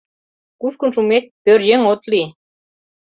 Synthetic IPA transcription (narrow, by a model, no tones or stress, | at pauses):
kuskŭnʃumet̪̚pørjeŋot̪li